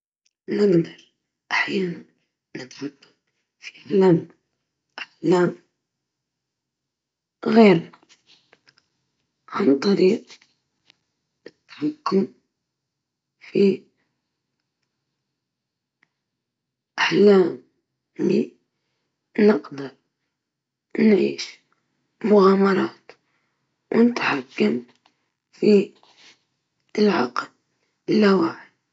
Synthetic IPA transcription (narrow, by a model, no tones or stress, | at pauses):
nɪɡd̪ɑɾˤ | ʔaħjaːnan | nɪt̪wʊkːʊm | fi̥flaːn | ʔaħlaːm | ɣeːɾna | ʕant̪ˤːɑɾiːq | ɪt̪ːwʊkːʊm | fi | ʔaħlaːm | li | nɪɡd̪ɨɾˤ | nʕḭːʃ | mʊɣaːmɑɾˤɑːt̪ | wnɪt̪ħakːam | fi | lʕɑ̰ql | ɪlːawaːʕɪl